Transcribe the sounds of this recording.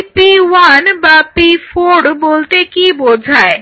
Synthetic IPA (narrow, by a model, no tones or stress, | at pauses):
piwanbapifʰoɾboːlt̪ekibod͡ʒʱae